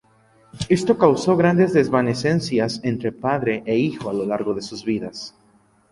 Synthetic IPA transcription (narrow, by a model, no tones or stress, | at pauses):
e̞st̪o̞kawso̞ɣɾand̪e̞zðezβane̞se̞nsjase̞nt̪ɾe̞paðɾe̞ʔeixo̞alo̞laɾɣo̞ðe̞suzβiðas